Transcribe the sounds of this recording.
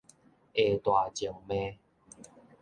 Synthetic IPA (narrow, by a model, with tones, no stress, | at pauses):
e˨˩t̪wa˨˩t͡ɕɔ˨˩ŋmẽ˦